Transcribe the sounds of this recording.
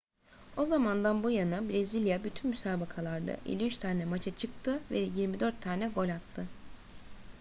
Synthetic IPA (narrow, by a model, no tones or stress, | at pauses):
o̞zamand̪anbujanɯbɾezilʲjabyt̪ʰynmysaːbakʰalˠaɾd̪a̰ʔḛlʲiyt͡ʃt̪ʰaːnɛmat͡ʃʰat͡ʃʰɯk̚t̪ʰɯvɛjiɾmid̪ø̞ɾt̪ʰːaːnɛɡo̞lʲat̪ʰːɯ